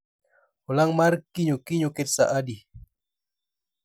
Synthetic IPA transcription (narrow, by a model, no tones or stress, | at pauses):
ulaŋmarkiɲukiɲukit̪̚sa̰ʔadi